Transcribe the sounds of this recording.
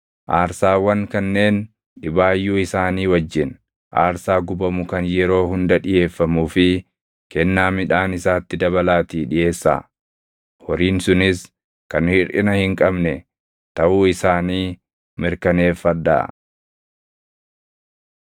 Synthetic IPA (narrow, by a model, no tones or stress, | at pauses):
ʔaːɾsaːwɐŋkɐnːe̞ːn | ᶑɪbaːjːuːɪsaːniːwɐd͡ʒːɪn | ʔaːɾsaːɡʊbɐmʊkɐnjɛɾo̞ːhʊnd̪ɐᶑɪje̞ːfːɐmuːfɪ | kɛnːaːmɪᶑaːnɪsaːt̪ːɪd̪ɐβɐlaːt̪iːᶑɪʔe̞ːsːa̰ː | hɔɾiːnsʊnɪs | kɐnhɪɾʔɪnɐhɪŋkʼɐbnɛ | t̪ɐʔuːɪsaːniː | mɪɾkɐneːfːɐd̪ːa̰ː